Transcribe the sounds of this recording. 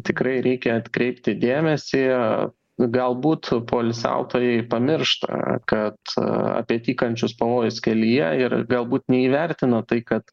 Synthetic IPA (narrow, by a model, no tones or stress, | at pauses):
t̪ʲɪkɾɐɪɾʲɛɪkʲɛɐt̪kɾʲɛɪpʲt̪ʲɪd̪ʲeːmʲɛsʲi | ɡɐlˠbuːt̪poːlʲsʲæ̰ʊt̪oːjɛɪpɐmʲɪrʃt̪ɐ̰kɐt̪ɐ̰pʲiɛt̪ʲiːkɐnʲt͡ʃʲʊspɐʋoːjʊskʲɛlʲɪjɛɪrɡɐlˠbuːt̪nʲɛiːʋʲɛɾʲt̪ʲɪnɐt̪ɐɪkɐt̪